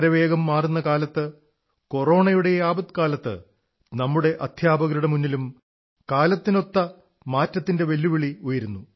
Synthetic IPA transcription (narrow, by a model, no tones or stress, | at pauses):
ɾɐʋe̞ːɡɐmːaːrunːɐkaːlɐt̪ːɨ | ko̞ro̞ːɳɐjuɽe̞jaːbɐd̪kaːlɐt̪ːɨ̰ | nɐmːuɽe̞ʔɐd̪ʱʰjaːbɐɣɾuɽɐmunːilum | kaːlɐt̪ːino̞t̪ːɐ | maːtːɐt̪ːinde̞ʋe̞lːuʋiɭiojɐɾunːu